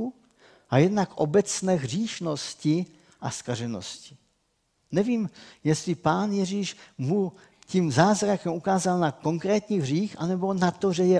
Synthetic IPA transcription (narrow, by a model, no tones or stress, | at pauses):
ʔajɛdnakʔobɛt͡snɛːɦr̝iːʃno̞scɪ | ʔaskaʒɛno̰scɪ̥ | nɛviːmjɛst̪lɪpaːnjɛʒiːʃmu | cimzaːzɾakɛmukaːzalnako̞ŋkɾɛːt̪ɲiːɦriːxʔa̰nɛbo̞nat̪oʒɛjɛ